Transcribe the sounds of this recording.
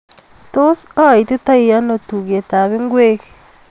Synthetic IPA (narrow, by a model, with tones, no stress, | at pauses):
to˦so˦a˨i˨te˦ta˦i˨ja˦no˨tu˨ɣe˨ta˨βe˦ŋɡwe˦ke̥